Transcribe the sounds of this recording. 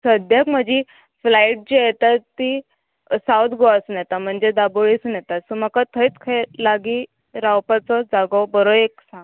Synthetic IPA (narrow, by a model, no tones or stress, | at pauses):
səd̪jakm̤əd͡ʑi | flaiʈ̚d͡ʑijet̪at̪ːi | sawt̪ʰɡoasunjet̪am̤əɳd͡zed̪aboɭisunjɛt̪asuməkat̪ʰəit͡skʰajlaɡi | ɾawpat͡sɔd͡zaɡɔbəɾoeksãŋɡ